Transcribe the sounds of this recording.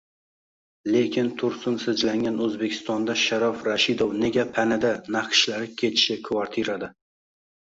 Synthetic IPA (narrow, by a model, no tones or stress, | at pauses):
le̞kʲɪnt̪ʰʊɾsʊnsɪd͡ʒlaŋɡʲanɵzbekʲʰɪ̥st̪ɒnd̪aʃaɾafɾaʃɪd̪owne̞ɡʲapʰanad̪anaqʃlaɾɪkʲʰe̞t̪ʰɪ̥ʃɪkʰvaɾt̪ʰiɾad̪a